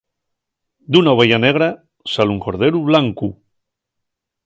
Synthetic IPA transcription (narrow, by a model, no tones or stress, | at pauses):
d̪unaoβejaneɣ̞ɾa | saluŋko̞ɾðeɾuβlaŋku